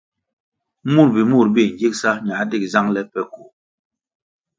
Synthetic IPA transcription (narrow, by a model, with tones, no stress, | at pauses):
mu˦˨ɾbi˨mu˦˨ɾbi˦˨ɲ̩˨d͡ʒi˦k̚sa˦ɲa˨˦di˦kza˦ŋlɛ˦pɛ˦ku˨